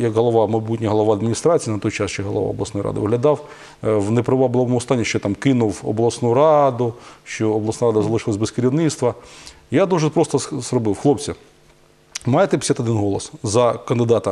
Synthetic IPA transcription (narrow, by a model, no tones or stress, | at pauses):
jɐkɦɔlˠɔʋɑmɐjbutʲnʲɐɦɔlˠɔʋɑɐd̪mʲinʲist̪ɾɑt͡sʲijinɐt̪ɔjt͡ʃɑst͡ʃɛɦɔlˠɔ̰ʋɑ̰ɔblˠɐsnɔjɾɑ̰d̪ɪ̰ʋɪɦlʲɐd̪ɑw | wnepɾɪʋɑblˠɔʋɔmʊɔst̪ɑnʲːiʃt͡ʃɔt̪ɑmkɪnʊwɔ̰blˠɐsnuɾɑd̪ʊʃt͡ʃɔːblˠɐsnɑaɾɑd̪ɐzɐlˠɪʃɪlˠɐzʲbeskɐɾʲiwnɪt̪st̪ʋɐ | jad̪uʒɛpɾɔst̪ɔzrɔbɪwxlˠɔpt͡sʲi | mɑjet̪ɛpʲsʲat̪ɔd̪ɪnɦɔlˠɔszɐkɐnd̪ɪd̪ɑt̪ɐ